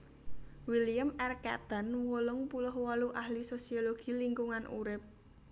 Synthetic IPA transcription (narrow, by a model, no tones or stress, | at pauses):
wilijəmɛrkɛ̰d̪̥a̤nwɔlɔŋpulʊhwɔluʔahlisosioloɡ̥i̤liŋkuŋanʔṵɾɪp̚